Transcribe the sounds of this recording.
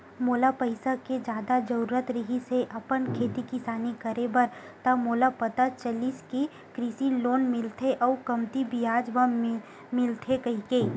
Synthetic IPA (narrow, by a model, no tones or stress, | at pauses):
moːlapəɪsaked͡ʒjaːd̪ad͡ʒɐɾuːɾət̪ɾɪɦiseʔɐpənkʰeːt̪ikɪsaːnikəɾebɐɾ | t̪ɐmoːlapət̪at͡ʃəliːski | kɾisiloːnmɪlt̪ʰeʔɔːkɐmt̪ibʱiaːd͡ʒʋə | mɪlt̪ʰekɐɦikeː